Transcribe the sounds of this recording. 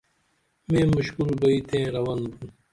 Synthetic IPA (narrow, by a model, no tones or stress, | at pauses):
mẽːmuɕkulbɐit̪ʰẽːɾɐwɐnbun